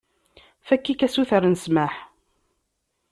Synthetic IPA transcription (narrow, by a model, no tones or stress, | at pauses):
fækːikæsuθəɾnəsmaħ